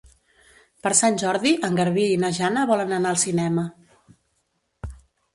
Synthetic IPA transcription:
pəɾsanʲʒɔɾðiʔəŋɡəɾβiinəʒanəβɔlənənaəlˠsinɛmə

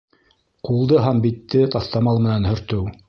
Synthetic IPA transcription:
qulˠd̪ɤɦæmbit̪ːɘt̪ɑθt̪ɑmɑlˠmɘ̆nænhɵ̆ɾt̪ɵw

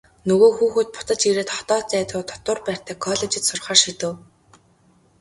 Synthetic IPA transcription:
nɵɣoːxuːxuːt̪̚pʊ̥t̪ə̆t͡ɕiɾeːt̪χɔt̪ɔːt͡sæːt̪ʊːt̪ʰɔ̥t̪ʊ̆ːrpæːr̥ʲt̪ʰæːkʰɔɮet͡ɕɪ̆t̪sʊrχaːrʃit̪ɘ̆w

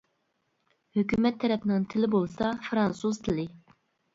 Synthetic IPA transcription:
høkʲymɛt̪ʰːɛɾɛpnɪŋt̪ʰɪlɪbolˠsɑfɾɑnsuz̥t̪ʰɪlɪ

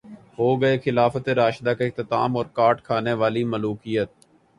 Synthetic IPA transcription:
ɦoːɡəexɪlaːfət̪eɾaːʃd̪aːkeɪk̚t̪ɪt̪a̰ːmɔːɾkaːʈkʰaːneʋaːliməluːkiːjət̪̚

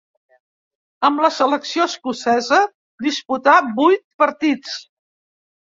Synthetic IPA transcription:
əmləsələksioskusɛzə | d̪isput̪abujt̪̚pəɾt̪it͡s

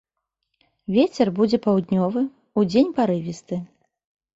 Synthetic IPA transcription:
vʲet͡sʲɛrbud͡zʲɛpawd̪nʲɔvɨ | ud͡zʲenʲpaɾɨvʲist̪ɨ

